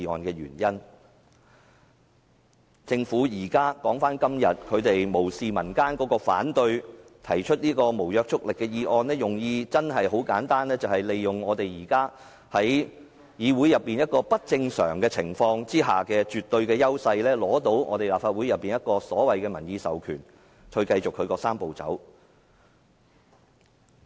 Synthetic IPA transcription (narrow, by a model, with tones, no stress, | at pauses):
i˧ɔ̰ː˧nkɛː˧jyː˨˩njɐ˥n | t͡sɪ˧ŋfuː˨˥jiː˨˩kaː˥kɔː˨˥ŋfaː˥nkɐ˥mjɐ˨t̚kʰɵ˨˧ɥt̪e˨jmo˨˩wsiː˨mɐ˨˩nkaː˥nkɔː˨˥kɔː˧fa̰ː˨˥nt̪ɵ˧ɥ | t̪ʰɐ˨˩jt͡ʃʰɵ˥t̚niː˥kɔː˧mo˨˩wjœː˧k̚t͡sʰʊ˥k̚lɪ˨kːɛː˧jiː˧ʔɔː˧nlɛː˥jʊ˨˩ŋjiː˧t͡sɐ˥nɦɐ˨jɦo˨˥wkaː˨˥nt̪aː˥nlɛː˥t͡sɐ˨whɐ˨jle˨jːʊ˨ŋɔː˨˧t̪e˨jjiː˨˩kaː˥ | hɐ˨˥j | jiː˨˧wuː˨˥jɐ˨pːiː˨njɐ˥t̚kɔː˧pɐ˥t̚t͡sɪ˧ŋsœ̰ː˨˩ŋkɛː˧t͡sʰɪ˨˩ŋfɔː˧ŋt͡siː˥ɦa̰ː˨kɛː˧t͡ʃyː˨t̪ːɵ˧ɥkɛː˧jɐ˥wsɐ˧jlɛː˥lɔː˨˥t̪o˨˥wŋʔɔ̰ː˨˧t̪e˨˩laː˨pfaː˧t̚wu˨˥jɐ˨pːiː˨njɐ˥t̚kɔː˧sɔː˨˥wɐ˨jkɛː˧mɐ˨˩njiː˧sɐ̰˨wkʰyː˨˩nʰ | ɵ˧ɥkɐ˧jt͡sʊ˨kʰːɵ˧ɥkɔː˧saː˥mpo˨wt͡sɐ̰˨˥w